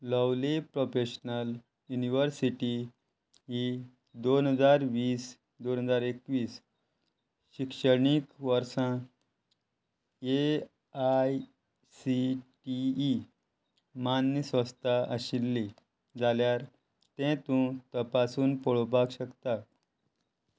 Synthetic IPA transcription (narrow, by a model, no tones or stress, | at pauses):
ləwlepɾofeɕnəl | juniʋəɾsiʈi | ɦi | d̪onɦəd͡zaɾʋiːs | d̪onɦəd͡zaɾekʋiːs | ɕikʂəɳikʋəɾsã | e | aj | siʈiː | manjəsʋə̃st̪ʰaʔəɕilːi | d͡zaljaɾ | t̪ɛ̃t̪ũt̪əpasuːnpoɭopakɕəkt̪a